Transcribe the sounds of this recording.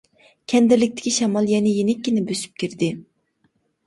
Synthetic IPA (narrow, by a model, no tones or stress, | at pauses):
kʲʰɛnd̪ɪɾlɪk̚ʲt̪ʰɪ̥kʲʰiʃɛmɑlˠjɛnɪjenɪkʲːinɪbøsy̥p̚kʲʰiɾd̪ɪ